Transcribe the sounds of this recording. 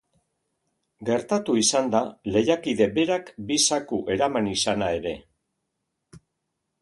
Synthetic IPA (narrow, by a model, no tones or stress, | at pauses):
ɡe̞ɾt̪at̪uisand̪ale̞jakiðe̞be̞ɾakbisakuʔe̞ɾamanisanae̞ɾe̞